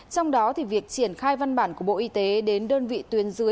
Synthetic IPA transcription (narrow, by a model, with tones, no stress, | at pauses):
t͡ɕɔ˧wŋ͡mɗɔ˨˦t̪ʰi˨˩vi˨˩ək̚t͡ɕi˧˩ənxaː˧jva˧nɓaː˧˩nku˧˩əɓo̰˧˨ʔi˧˦t̪e˨˦ɗe˨˦nɗəː˧nvḭ˧˨t̪wi˨˦ənzɨ˨˦ə